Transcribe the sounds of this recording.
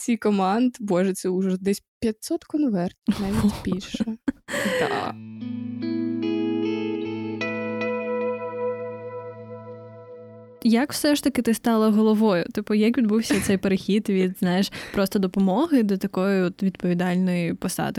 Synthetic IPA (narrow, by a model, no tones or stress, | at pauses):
t͡sʲijkɔmɑnd̪bɔʒɛt̪sɛʊʒɛd̪ɛsʲpʲjɐt̪sɔt̪kɔnʋɛrt̪naʋʲitʲpʲiʃɐd̪ɑ̰ | jɐkwsɛʃt̪ɐkɪt̪ɪst̪ɑlˠɐɦɔlˠɔʋɔjʊt̪ɪpʊjakʋʲid̪buwsʲɐt̪sɛjpeɾexʲid̪ʋʲid̪znɑjɪʃpɾɔst̪ɔd̪ɔpɔmɔɦɪd̪ɔt̪ɐkɔjʊɔt̪ʋʲid̪pɔʋʲid̪ɑlʲnɔjipɔsɑ̰d̪ɪ